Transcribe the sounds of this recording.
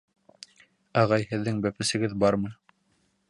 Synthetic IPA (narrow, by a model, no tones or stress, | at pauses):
æʁɑjhɘ̆ðːɘŋbæpɘ̆sɘ̆ɡɘðbɑɾmɤ